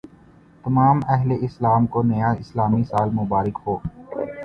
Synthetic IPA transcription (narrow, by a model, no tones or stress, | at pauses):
t̪ɐmaːmɛɦleʔɪslaːmkonɐjaɪslaːmisaːlmʊbaːɾɪkɦoː